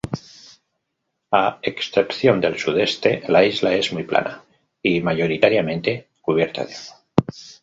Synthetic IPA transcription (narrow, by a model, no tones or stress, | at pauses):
aeksθepθjo̞nd̪elsuðe̞st̪e̞laizlae̞zmujplʔa̰na | imaʝo̞ɾit̪aɾjamẽ̞nt̪e̞ | kuβ̞je̞ɾt̪a̰ðeoɣo